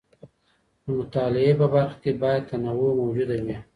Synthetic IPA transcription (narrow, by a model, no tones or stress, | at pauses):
d̪əmʊt̪ɑlɪepəbaɾxḁkebɑjad̪̚t̪anawomawd͡ʒud̪awi